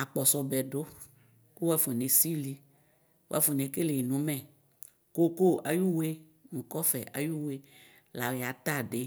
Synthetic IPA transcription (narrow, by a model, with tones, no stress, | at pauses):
a˨k͡pɔ˨sɔ˨bɛ˨ɖo˦ | ku˦wa˦fo˨ne˨si˦li˦ | wo̰˦a̰˦fo˨ne˨ke˦le˨nũ˨˦mɛ̃˦˨ | ko˦ko˦a˨ju˦we˦ | nũ˨kɔ˦fɛ˨ʔa̰˨ju˦we˦ | la˨wa˨t̪a˦˨ɖe˨